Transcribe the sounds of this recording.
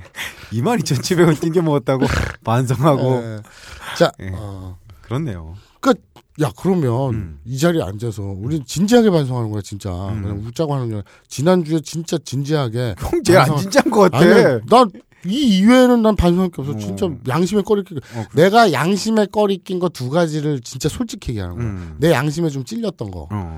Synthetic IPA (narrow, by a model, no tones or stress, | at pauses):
imaɾit͡ɕʌnt͡ɕʰibeɡʌt͈inɡemʌɡʌt̚t͈aɡopans̬ʰʌŋɦaɡo | t͡ɕ͈aʌkɯɾʌnːe̞̰jo̰ | k͈e | jakɯɾʌmjʌnid͡ʑaɾia̰nd͡ʑesʰʌuɾint͡ɕind͡ʑiɦaɡe̞pansʰoŋɦanɯnɡʌjot͡ɕint͡ɕ͈a̰kɯɲaŋut͡ɕ͈aɡoɦanɯnɡʌ | t͡ɕinand͡ʑue̞t͡ɕint͡ɕ͈at͡ɕind͡ʑiɦaɡe̞ | ind͡ʑanɡʌkataina | iːwe̞nɯnːanpansʰoŋak͈eʌpsʰʌt͡ɕint͡ɕ͈ajaŋɕʰime̞k͈ʌɾikʰik͈one̞ɡajaŋɕʰime̞k͈ʌɾikʰinɡʌtuɡad͡ʑiɾɯɭt͡ɕint͡ɕ͈asʰoɭt͡ɕ͈ikʰiɡiɦa̰nɯnɡʌj̰ne̞jaŋɕʰime̞t͡ɕomt͡ɕ͈iʎːʌt̚t͈ʌnɡʌ̰